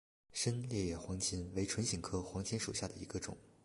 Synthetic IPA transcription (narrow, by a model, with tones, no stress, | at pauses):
ʂə˥nljɛ˥˧jɛ˥˩xwɑ˧˥ŋt͡ɕʰi˥nwe˧˥ɪʈ͡ʂʰwə˧˥nɕi˨˩ŋkʰɤ˥xwɑ˧˥ŋt͡ɕʰi˥nʂu˨˩ɕja˥˩d̪ə˩i˧˥ɡə˧ʈ͡ʂʊ̰˨˩˦ŋ